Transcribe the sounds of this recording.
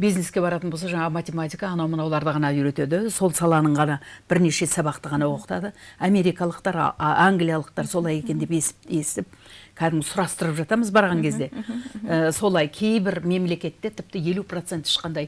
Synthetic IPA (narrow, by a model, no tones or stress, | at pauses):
bijzne̞skʲe̞bɑɾɑt̪ənbo̞lsɑʒɑɴɑmat̪ʲe̞mat̪ʲijkɑːnɑwmənɑwlˠɑɾd̪əʁɑnɑʏɾe̞t̪e̞d̪ɪso̞lˠsɑlˠɑnəɴʁɑnɑb̥ɪɾne̞ʃe̞sɑbɑqt̪əʁɑn̪ɑwo̞qə̥t̪ɑd̪əɑme̞ɾijkɑlˠəqt̪ɑɾ̰aŋɡlijalˠəq̚t̪ɑɾso̞lˠɑje̞kʲe̞nd̪epesest̪ɪp̚kʲʰæd̪ɪmɪzsʊɾɑst̪əɾəpʒɑt̪ɑməzbɑɾʁɑŋkʲʰe̞zd̪e̞əso̞lˠɑjkʲʰe̞jbɪɾme̞mle̞kʲe̞t̪ːet̪ʰɪp̚t̪ɪje̞lupro̞t̪se̞nt̪ɪ̥ʃqɑnd̪ɑj